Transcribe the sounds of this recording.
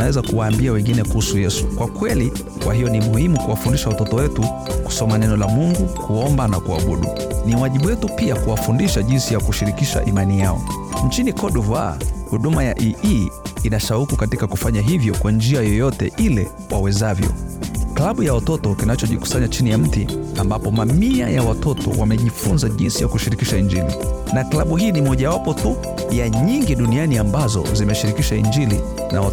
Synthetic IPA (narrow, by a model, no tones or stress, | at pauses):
awɛzakuwaːmbiawɛŋɡinɛkuhusujɛsu̥kwakwɛli | kwʔahijɔnimuhimukuwafundiʃawatɔtɔwɛtu | ku̥sɔmanɛnɔlamuŋɡukuɔmbanakua̰ɓṵɗṵ | niwaʄiɓuwɛtupiakuwafundiʃaʄinsijakuʃiɾikiʃa̰ʔimanijaɔ̰ɲt͡ʃinikɔɗuva̰huɗumajaʔiʔiinaʃaukikatikakufaɲaɦivjɔkwand͡ʒiajɔjɔtɛ̰ʔilɛ | wawɛzavjɔ̰klaɓujawatɔtɔkinat͡ʃɔʄiku̥saɲat͡ʃinijam̩tiambapɔmamia̰jawatɔtɔ̰wamɛʄifunzaʄḭnsijakuʃiɾikiʃaind͡ʒilḭnaklaɓuɦiːnimɔʄawapɔtu | jaɲiŋɡiɗunianiambazɔ̰zimɛʃiɾikiʃaḭnd͡ʒilḭ | na̰wa